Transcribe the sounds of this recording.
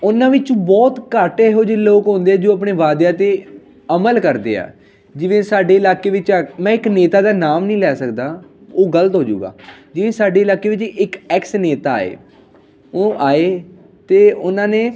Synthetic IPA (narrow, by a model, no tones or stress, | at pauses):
ʊnãːʋɪt͡ʃbɔːt̪kaʈeːɦoːd͡ʒeloːkɦõːnd̪eːɛːd͡ʒoːap̬ɳeːʋaːd̪jaːt̪eː | əməlkəɾd̪ḛːa̰ː | d͡ʒɪʋẽːsaːɖeːɪlaːkeːʋɪt͡ʃːmɛ̃ːɪkneːt̪aːd̪aːnaːmnĩːlɛːsəkd̪aːoːɡələt̪ɦoːd͡ʒṵːɡa̰ːd͡ʒɪʋẽːsaːɖeːlaːkeːʋɪt͡ʃɪkɛksneːt̪aːa̰ːḛː | oʔaːeː | t̪eːʊnãːneː